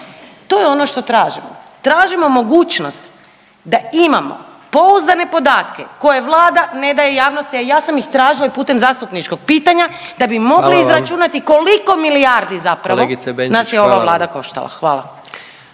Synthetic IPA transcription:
t̪o̞jeo̞noʃt̪o̞t̪ɾaːʒimo̰t̪ɾaːʒimo̞mo̞ɡuːt͡ʃno̞st̪ | d̪aimamo̞̰ | po̞uzd̪ane̞po̞d̪aːt̪kḛko̞jeʋlˠaːd̪ane̞d̪aje̞jaːʋnost̪iajaːsamixt̪ɾaːʒilaipuːt̪e̞mzaːst̪upnit͡ʃko̞ɡ̚piːt̪aɲad̪abimo̞ɡliːzɾat͡ʃunat̪iko̞liko̞miliaɾd̪izapɾaloeɡisebenasjeo̞ʋaʋlˠaːd̪ako̞ʃt̪a̰lˠa̰xʋaːlˠa̰

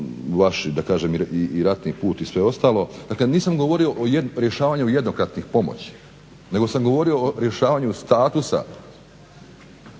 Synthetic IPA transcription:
ʋaʃd̪akaːʒemiiːɾat̪nipuːt̪isʋe̞o̞st̪aːlˠo̞d̪aːkleniːsamɡo̞ʋo̞ɾio̞ʔojeɾjeʃaːʋaɲujed̪no̞kɾat̪nixpo̞mo̰t͡ɕi̥ | ne̞ɡo̞samɡo̞ʋo̞ɾio̞oɾje̞ʃaːʋaɲust̪aːt̪usa̰

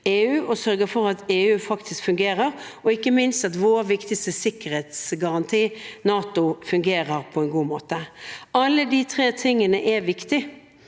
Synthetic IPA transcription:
eːʉːʔɔsœɾɡəfɔʁɑt̪eːʉːfɑkt̪ʰɪskfʉŋɡeːʁəʁɔɪkːəmɪnst̪ɑt̪ʋoːɾʋɪkt̪ɪst̪əsɪkːəɾhɛt̪sɡɑʁɑnt̪ʰiːnɑːt̪ʊfʉŋɡeːʁəʁpʰɔɛnɡuːmoːt̪əʔɑlːəd̪ɪt̪ʰʁeːt̪ʰɪŋːənəʔɛʋɪkt̪ɪ

